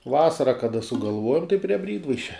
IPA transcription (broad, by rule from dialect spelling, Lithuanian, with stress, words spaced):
ˈʋɑːsɐrɐ kɐˈdɐ sʊɡɐlˠˈʋuɔjɛm tɐɪ pʲrʲiɛ ˈbʲrʲiːdʋɐɪʃʲɛ